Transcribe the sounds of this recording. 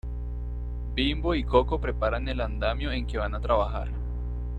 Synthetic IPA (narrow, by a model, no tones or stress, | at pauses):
bimboiko̞ko̞pɾepaɾane̞land̪amjoe̞ŋke̞βanat̪ɾaβaxa̰ɾ